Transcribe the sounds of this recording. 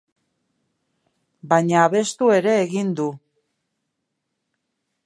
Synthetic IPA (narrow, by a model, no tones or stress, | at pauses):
bajɲaːβ̞e̞st̪ue̞ɾe̞ːɣind̪u